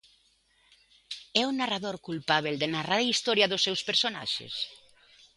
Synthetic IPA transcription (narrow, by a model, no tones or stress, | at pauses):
ɛunːaraðoɾkulpaβ̞eld̪enaraɾaist̪ɔɾjaðosːɛwspeɾsona̰ʃḛs